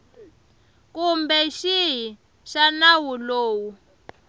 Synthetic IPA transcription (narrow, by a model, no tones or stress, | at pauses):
kumbɛʃiɦi | ʃanawuloːwu